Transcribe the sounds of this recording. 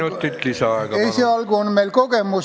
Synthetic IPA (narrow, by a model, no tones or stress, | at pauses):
ot̪ːit̪lisæɑikɑeiseɑlkoonmelkokemus